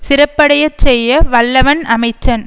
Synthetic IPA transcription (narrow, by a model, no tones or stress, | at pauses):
sɪɾɐpːɐɽɐjɐt͡ʃːɛjːɐʋɐɭːɐʋɐnɐmɐɪt͡ʃːɐn